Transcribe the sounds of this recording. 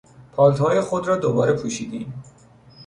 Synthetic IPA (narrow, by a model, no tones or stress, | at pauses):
pʰɒːlt̪hɒːjexod̪ɾɒːd̪obɒːɾe̞pʰuːʃiːd̪iːm